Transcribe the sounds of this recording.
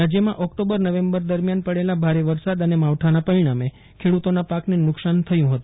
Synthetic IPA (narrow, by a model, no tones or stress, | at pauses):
ɾad͡ʒjəmãʔɔkʈobəɾnəʋembəɾd̪əɾmjanpəɽelabʱaɾeʋəɾsad̪ənemaʋʈʰanapəɾiɽ̃ame | kʰeɽut̪onapaknenʊksant̪ʰəjũɦət̪ũ